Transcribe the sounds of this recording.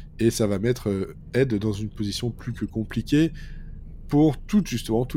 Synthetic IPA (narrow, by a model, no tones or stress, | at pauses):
esavamɛt̪χø | ɛd̪ːɑ̃zynpozisjɔ̃plykəkɔ̃plikʲe | puʁt̪ut̪ʒyst̪əmɑ̃t̪u